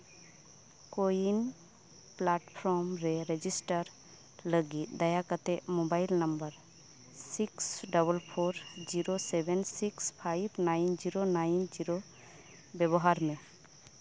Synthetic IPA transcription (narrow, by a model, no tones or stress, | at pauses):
kojin | plaʈpʰɾɔɾmɾɛɾed͡ʒisʈəɾ | ləɡit̪̚d̪ajakət̪ɛʔmobajlnəmbəɾ | siksɖəbəlpʰoɾd͡ʒiɾosɛbɛnsikspʰajbnajnd͡ʒiɾonajnd͡ʒiɾo | bjɛbɔɦaɾmɛ̃